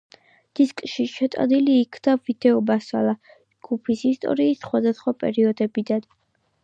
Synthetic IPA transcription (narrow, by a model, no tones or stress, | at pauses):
d̪̥iskʼʃiʃɛt̪ʼa̰d̪iliːkʰd̪avid̪̥ɛɔbasa̰la | d͡ʒɡ̥upʰisist̪ʼɔ̰ɾiːsχwad̪asχwapʼɛ̰ɾiɔd̪ɛbid̪an